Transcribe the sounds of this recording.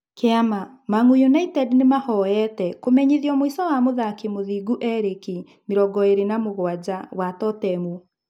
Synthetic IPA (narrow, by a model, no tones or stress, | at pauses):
keamamaŋujunaitɛdnemahɔɛtɛkomɛɲiðjɔmoisɔwamoðakemoðiːɡuʔɛɾeki | meɾɔɡɔeɾenamoɣwad͡ʑawatɔtɛmu